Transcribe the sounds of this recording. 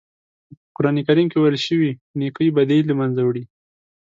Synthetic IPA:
əkʊɾɑnikaɾimkewajlʃəwinekəibad̪elamanzawɽi

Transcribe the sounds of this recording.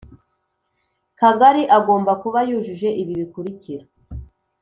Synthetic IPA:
kaɡaɾiʔaɡo̞ːmbakuβajuːʒuʒe̞ʔiβiβikuɾiciɾa

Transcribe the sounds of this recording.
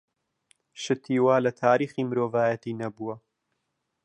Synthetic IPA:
ʃɨt̪ʰiːwaːlɐt̪ʰaːɾiːχiːmɨɾoːvaːjɐt̪iːnɐbuwɐ

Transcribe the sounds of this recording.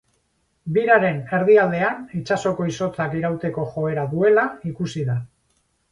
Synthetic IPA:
biɾaɾe̞ne̞ɾð̞iald̪e̞anit͡ʃaso̞ko̞iso̞t͡sakiɾawt̪e̞ko̞ʝo̞e̞ɾaðue̞laikusiða

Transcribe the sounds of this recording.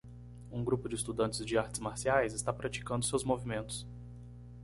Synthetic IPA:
ũɡɾupʊd͡ʒɪɪst̪ud̪ɐ̃nt͡ʃɪzd͡ʒɪaɾt͡ʃɪzmaɾsiajzɪst̪apɾat͡ʃi̥kɐ̃nd̪ʊsewzmovimẽnt̪ʊ̥s

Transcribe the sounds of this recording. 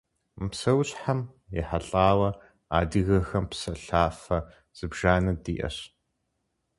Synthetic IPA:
psɐwɕʼħam | jɛ̰ħaɬʼaːwɐ | a̰ːdɨɣɐxɐmpsɐɬaːfɐ | z̥ɨbʒ̥aːnɐdiːʔɐ̰ɕ

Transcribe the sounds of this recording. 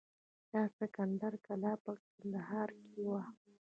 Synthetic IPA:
d̪̥ɑsɪkand̪aɾkalɑpək̚and̪ahɑɾkewa

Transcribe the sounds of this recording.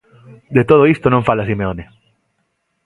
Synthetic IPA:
d̪et̪oð̞oist̪onõɱfalas̬imeone

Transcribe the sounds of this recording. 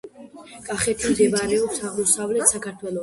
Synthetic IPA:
kʼaχɛt̪ʰimd̪ɛvaɾɛɔpsaʁmɔsavlɛt̪sakʰaɾt̪ʰwɛlˠɔ

